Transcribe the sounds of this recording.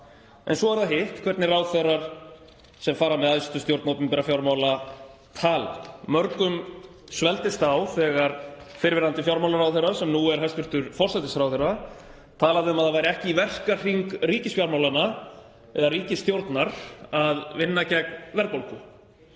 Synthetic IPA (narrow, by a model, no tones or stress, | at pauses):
ɛ̰nsɔvaɾθaɦɪht̪kʰvɛɾt̪nɪraːwθɛraɾ̥ | sɛmfaːɾamɛðaðsi̥t̪ʏst̪jowɾt̪nawt̪nɪmpɛɾafjawɾmawla | t̪ʰaːla̰mœɾkʏm | svɛlt̪ɪst̪awθɛɣaɾ | fɪɾvɪɾant̪ɪfjawɾmawlaɾawθejrːasɛmnuɛɾ̥ɦɛst̪vʏɾ̥t̪ʏɾfɔr̥sajt̪ɪsfɾawθejra | t̪ʰaːlaðɪʏmaðavajɾɪɛhcɪivɛr̥kar̥iŋkriːcɪsfjawɾmawlana | ɛ̰ðariːcɪst̪jowɾt̪naɾ̥aðvɪnːacɛknvɛɾkpolkʏ